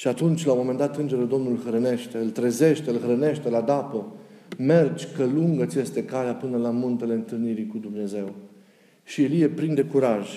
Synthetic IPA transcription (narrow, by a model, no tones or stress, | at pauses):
ʃiat̪unt͡ʃʲlawomo̞me̞nd̪at̪ɨnd͡ʒe̞ɾed̪o̞mnulxɾəne̞ʃt̪e̞ɨlt̪ɾeze̞ʃt̪eɨlxɾəne̞ʃt̪e̞lad̪apə | me̞rd͡ʒʲkəluŋɡəsje̞st̪e̞kaleapɨnəlamunt̪e̞le̞ɨnt̪ɨlniɾikud̪umne̞ze̞w | ʃielije̞pɾind̪e̞kuɾaʒ